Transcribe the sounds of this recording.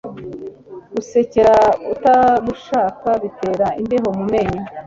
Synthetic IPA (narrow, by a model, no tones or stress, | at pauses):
ɡ̥use̞ce̞ɾautaɡuʃaːkaβite̞ːɾaindeɦo̞mume̞ɲo